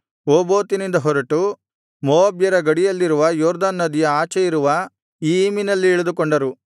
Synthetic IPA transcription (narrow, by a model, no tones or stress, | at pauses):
oːboːt̪inind̪ɐɦɔɾɐʈu | mɔːɐbjɐɾɐɡɐɽijɐlːiɾuʋɐjɔːɾd̪anːɐd̪ijɐaːt͡ʃɛiɾuʋɐ | iːminɐlːiɛɭɐd̪ukɔɳɖɐɾu